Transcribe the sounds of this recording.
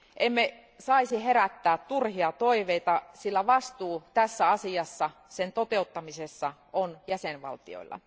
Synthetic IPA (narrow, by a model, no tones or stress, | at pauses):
ʔemːe | sɑisiheɾæt̪ːæːt̪t̪urhiɑt̪oiʋeit̪ɑsilːæʋɑst̪uːt̪æsːæɑsiɑsːɑ | sent̪ot̪eut̪ːɑmisesːɑ | onjæsenʋɑ̰lt̪io̰ilːɑ̰